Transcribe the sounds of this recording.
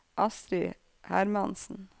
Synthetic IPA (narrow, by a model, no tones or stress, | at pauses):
ʔɑst̪ɾi | hæɾmɑnsn̩